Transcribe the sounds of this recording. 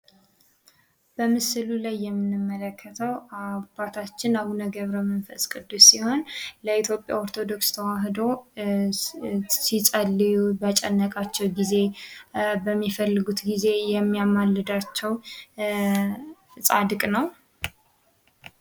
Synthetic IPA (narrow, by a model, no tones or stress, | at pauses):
b̥əmɨsɨlulajːɛmːɨnɨmːələkʰːət̪ʰəwapat̪ʰat͡ʃːɪnaβunəɡəβɾəmənfəsʼkʼɨd̪usiho̞nləit̪ʰjo̞pʼja̰oɾt̪ʰo̞d̪o̞kst̪ʰəwaɦd̪o̞ | sit͡sʼəlːijubat͡ʃʼɛnːəkʼat͡ʃːɛwɡize̞ | bəmːifəlːɨɡut̪ɡize̞jɛmːijamalːɨd̪at͡ʃːɛw | sʼad̪ɨkʼnəw